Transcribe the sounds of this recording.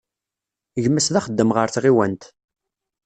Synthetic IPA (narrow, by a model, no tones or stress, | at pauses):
ʝəmːæsðæχəd̪ːəmʁəɾθʁiwænt̪